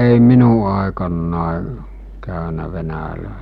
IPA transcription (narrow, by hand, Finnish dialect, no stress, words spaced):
ei minu ɑˑekɑnːɑˑe kæˑønæ ʋenælæˑesijæ̥